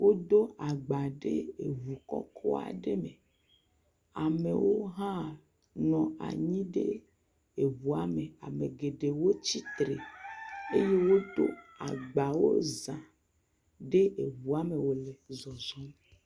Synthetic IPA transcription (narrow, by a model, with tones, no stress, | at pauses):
wo˦d̪o˦a˨ɡ͡ba˨ɖe˦e˨vu˨kɔ̰˦kʰɔ̰˦a̰˨ɖe˦me˨ | a˨mḛ˨wo˦ɦã˦ | nɔ̃˨a̰˨ɲĩ˦ɖe˦ | e˨vu˨a˨me˨a˨me˨ɡe˨ɖe˨wo˦t͡ɕi˦t̪ɾe˨ | e˦je˦wo˦d̪o̰˦a˨ɡ͡ba˨wo̰˦zã˨ | ɖe˦e˨βu˨a˨me˨wo˨le˨zɔ˨zɔ˦m